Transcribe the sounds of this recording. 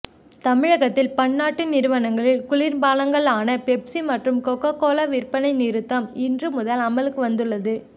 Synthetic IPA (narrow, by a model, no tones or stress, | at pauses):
t̪ɐmɪɻɐɣɐt̪ːɪlpɐɳːaːʈːɯnɪɾɯʋɐnɐŋɡɐɭɪlkʊɭɪɾbaːlɐŋɡɐɭaːnɐpɛpsimɐʈrɯmkɔkːɐkːoːlɐʋɪrpːɐnɐɪnɪɾɯt̪ːɐmɪndrɯmʊðɐlɐmɐlɯkːɯʋɐnd̪ɯɭːɐðɯ